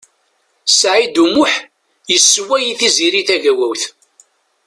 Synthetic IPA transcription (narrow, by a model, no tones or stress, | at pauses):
sʕid̪umʊħ | jəsːwæjiθiziɾiθæʝæwæwθ